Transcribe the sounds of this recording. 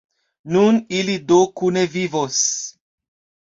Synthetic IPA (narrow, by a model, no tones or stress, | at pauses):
nunilidokunevivos